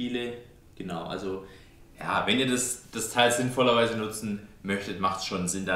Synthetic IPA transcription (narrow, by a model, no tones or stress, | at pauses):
iːlə | ɡ̥ənaʊʔa̰lzo | ja̰ːvɛniːɐdasd̥astʰaɪlz̥ɪnfɔlɐvaɪzənʊt͡sn̩mœçtətmaχtsʃonzɪnda